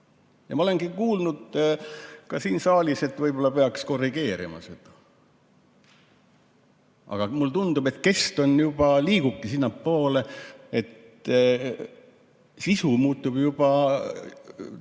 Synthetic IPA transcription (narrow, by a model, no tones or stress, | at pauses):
jɑmɑole̞nɡ̥ikuːlnud̪̥ | kɑsiːnsɑːlʲise̞t̪vɤjb̥o̞lːɑpeɑksko̞rːiɡ̥e̞ːɾḭmɑ̰se̞d̪̥ɑ̥ | ɑ̰ɡ̥ɑmult̪und̪̥ube̞t̪ke̞st̪o̞njub̥ɑliːɡ̥ukːisinːɑpːo̞ːleet̪ | sisumuːt̪ːˑub̥jub̥ɑ